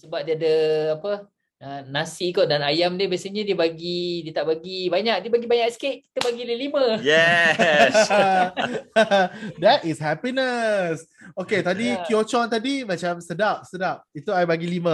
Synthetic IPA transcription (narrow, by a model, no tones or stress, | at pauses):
səbap̚diadəapə | ənasikoʔdanajamdiəbiasəɲadiəbaɡidiət̪aʔbaɡibaɲaʔk̚diəbaɡibaɲak̚skeʔ̚ki̥t̪əbaɡiləliməjɛ | s | dɛt̚ishɛpinəs | oket̪adikiot͡ʃɔnt̪adimãt͡ʃamsədap̚sədap̚it̪uajbaɡilimə